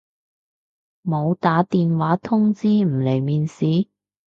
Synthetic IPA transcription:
mo˨˧wt̪aː˨˥t̪iː˨nwaː˨˥t̪ʰʊ˥ŋt͡siː˥m̩˨˩le˨˩jmiː˨nsiː˨˥

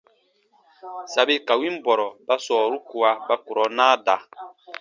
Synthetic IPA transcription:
sa˨be˦ka˨wi˦m˦bɔ˨ɾɔ˨ba˦sɔː˨ɾu˦ku˨a˦ba˦ku˨ɾɔ˨˦naː˦da˨

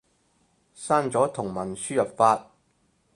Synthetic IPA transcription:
saː˥nt͡sɔː˨˥t̪ʰʊ˨˩ŋmɐ˨˩nsyː˥jɐ˨p̚faː˧t̚

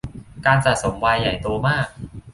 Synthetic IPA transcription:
kaː˧nsaː˨˩so˩˦mwaː˧jːa˨˩jt̪u˧ɐmaː˥˩k̚

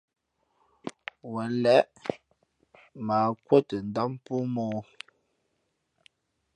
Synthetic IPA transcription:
wɛ˨lɛ˨˦ʔ | ma˨kwə˦tə˨n̩˨da˦m˦pu˦mɔː˦

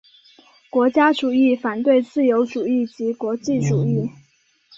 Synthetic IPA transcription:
kwɔ˧˥t͡ɕja˥ʈ͡ʂu˨˩i˥˩fa˨˩nt̪we˥˧ɪt͡sɹ̩˥˩jo˧˥ʊʈ͡ʂu˨˩i˥˩t͡ɕi˧˥kwɔ˧˥t͡ɕi˥˩ʈ͡ʂu˨˩i˥˩

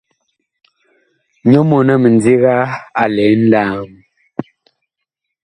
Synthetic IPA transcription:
ɲo˦mɔ˨nə˨mə˨n˦di˦ɣa˦a˨lɛ˨˦n̩˦daː˦˨m˨

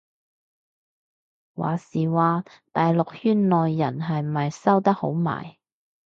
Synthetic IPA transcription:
wa̰ː˨˩siː˨waː˨ | t̪aː˨jlʊ˨k̚hyː˥nlɔː˨jːɐ˨˩nɦɐ˨j̩˨mɐ˨˩jsɐ˥wt̪ɐ˥k̚ho̰˨˥wma̰ː˨˩j

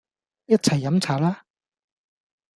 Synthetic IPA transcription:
jɐ˥t̚t͡sʰɐ˨˩jːɐ˨˧˥mt͡sʰaː˨˩laː˥

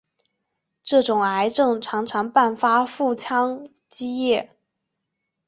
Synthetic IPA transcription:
ʈ͡ʂɤ˥˩ʈ͡ʂʊ˨˩ŋa˧˥ɪʈ͡ʂɤ˥˩ŋʈ͡ʂʰɑ˧˥ŋʈ͡ʂʰɑ˧˥ŋpa˥˩nfa˥fu˥˩t͡ɕʰjɑ˥ŋ | t͡ɕi˥jɛ˥˩

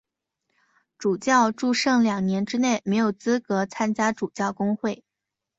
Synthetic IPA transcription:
ʈ͡ʂu˨˩t͡ɕjɑ˥˧ʊʈ͡ʂu˥˧ʂɤ˥˩ŋljɑ˨˩ŋnjɛ˧˥nʈ͡ʂɻ̩˥ne˥˩ɪme˧˥ɪjo˨˩ʊt͡sɹ̩˥kɤ˧˥t͡sʰa˥nt͡ɕja˥ʈ͡ʂu˨˩t͡ɕjɑ˥˩ʊkʊ˥ŋxwe˥˩ɪ

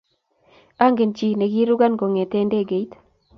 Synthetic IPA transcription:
a˦ŋɡe˨nt͡ʃi˨ne˨ɡi˦ɾu˦ɡa˦nɡo˨ŋe˨te˦nde˦˨ɡe˨i˦t

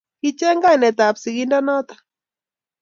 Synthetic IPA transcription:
ki˦t͡ʃɛ˦ŋɡa˦˨nɛ˨t̪a˨psi˨ki˦nda˦nɔ˦t̪ḁ˨

